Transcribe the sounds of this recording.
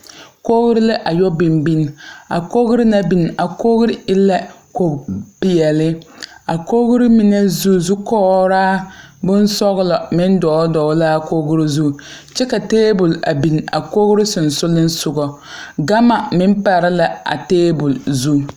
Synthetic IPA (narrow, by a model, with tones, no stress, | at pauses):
ko˦ɣʊ˦ɾɪ˦lɪ˦ʔa˨jɔ˦bi˨mbi˦n˨a̰˨ko˦ɣɾi˦na˦bi˨n˨a˨ko˦ɣɾi˦ɪ˦la˦ | ko˨pɪ˨jɛ˨lɪ˦a˨ko˦ɣɾi˦mi˨nɛ˦zu˦zu˦kɔː˦ɾaː˦bʊ˦n˦sɔ˦ɣlɔ˨mɪ˦n˦dɔː˨˦dɔː˨˦laː˦ko˦ɣʊ˦ɾi˦zu˦˨ | t͡ʃɛ˦ka˨teː˦bʊ˨la̰˨bi˨n˨a̰˨ko˦ɣɾɪ˦sʊ˨n˨sʊ˦lɪ˦n˦sʊ˦ɡɔ˨ | ɡa˦ma˨mɪ˦m˦pa˨ɾɪ˦la˨a̰˨teː˦bʊ˨lzu˦